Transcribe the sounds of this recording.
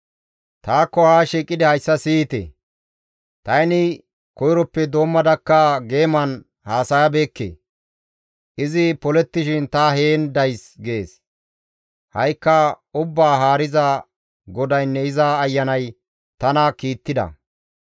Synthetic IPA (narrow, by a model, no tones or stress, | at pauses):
t̪aːkːɔhaːʃiːkʼːɪd̪ɪhɐjsːɐsiːt̪ḛ | t̪ɐjnɪ | kɔjɾɔpːɛd̪o̞ːmːɐd̪ɐkːɐɡe̞ːmɐn | haːsɐjɐbe̞ːkːḛː | ʔɪzɪpɔlɛt̪ːɪʃɪnt̪ɐhe̞ːnd̪ɐjsɡe̞ːs | hɐjkːɐ | ʊbːaːɦaːɾɪzɐ | ɡɔd̪ɐjnːɛɪzaːjːɐnɐj | t̪ɐnɐkiːt̪ːɪd̪ɐ̰